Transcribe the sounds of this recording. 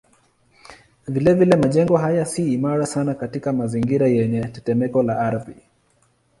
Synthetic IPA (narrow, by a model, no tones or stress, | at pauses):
vilɛvilɛmaʄɛŋɡɔɦajasiːmaɾasanakatikamaziŋɡiɾajɛɲɛtɛtɛmɛkɔlaaɾvi